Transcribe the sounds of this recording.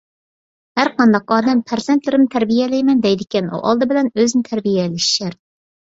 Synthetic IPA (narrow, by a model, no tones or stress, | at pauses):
hæɾqɑnd̪ɑqɑːd̪ɛmpʰæɾzent̪lɪɾɪmt̪ʰæɾbijɛlɛjmɛnd̪ɛjd̪ɪkʲɛnṵʔɑ̰lˠd̪ɨbɪlɛnøznɪt̪ʰæɾbijɛlɪʃi̥ʃæɾ